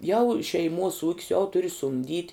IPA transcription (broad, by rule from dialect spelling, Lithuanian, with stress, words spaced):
jɛʊ ʃʲɛɪˈmuɔs uːkʲs jɛʊ ˈtʊrʲɪ sʊmʲˈdʲiːtʲ